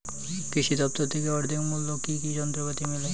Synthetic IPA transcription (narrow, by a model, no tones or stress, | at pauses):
kɾiʃid̪ɔp̚t̪oɾt̪ʰekeɔɾd̪ʱiŋmulːokikid͡ʑɔnt̪ɾokat̪imile